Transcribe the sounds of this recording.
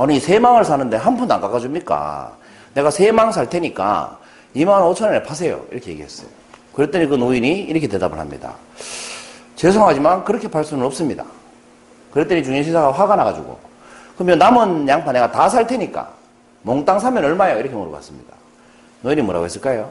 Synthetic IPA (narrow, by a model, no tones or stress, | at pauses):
ʌniisʰe̞maŋɯɭsʰanɯnde̞ɦanbʰunːaŋk͈aɡad͡ʑumɲik͈a̰ | ne̞ɣasʰe̞maŋsʰaɭtʰe̞ɲik͈a̰ | imanot͡ɕʰʌneepʰas̬ʰe̞jo̰ḭɾʌkʰeje̞ɡiɦe̞s͈ʌ̥̰jo | kɯɾet͈eɲikɯnoiɲiiɾʌkʰe̞twe̞da̰bɯ̰ɭhamɲḭda̰ | t͡ɕes̬ʰoŋɦad͡ʑimankɯɾʌkʰe̞paɭs͈umɯɭops͈ɯmɲida̰ | kɯɾet͈eɲit͡ɕuŋiɕʰisʰaɡaɸwaɡanaɡad͡ʑuɡo̰ | kɯmjʌnːamɯnjaŋpʰaneɡatasʰaɭtʰe̞ɲik͈a̰ | moŋt͈aŋsʰamjʌnʌɭmajoiɾʌkʰemoɾoka̰s͈ɯmɲḭd̥a | noiɲimoɾa̰ɡoe̞s͈ɯɭk͈ajo